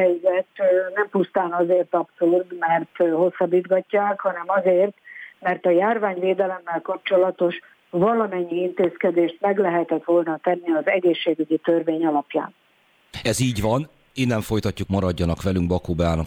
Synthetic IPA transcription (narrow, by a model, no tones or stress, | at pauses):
ɛjzɛt̪nɛmpust̪aːnɒzeːrt̪ɒpsourt̪mɛrt̪ɦo̞sːɒbːiːd̪ɡɒcːaːkhɒnɛmɒzeːrt̪mɛrt̪ɒjaːrvaːɲveːd̪ɛlɛmːɛlkɒp̚t͡ʃo̞lɒt̪o̞ʃ | vɒlɒmɛɲːiint̪eːskɛd̪eːʃt̪mɛɡlɛɦɛt̪ɛt̪ʋo̞lnɒt̪ɛnːiɒzɛɡeːʃːeːɡyɟit̪ørveːɲɒlɒpja̰ːn | ɛziːɟʋɒn | eːnːɛɱfo̞jt̪ɒcːukmɒɾɒɟːɒnɒkʋɛlyŋɡbɒkoːbaːnɒ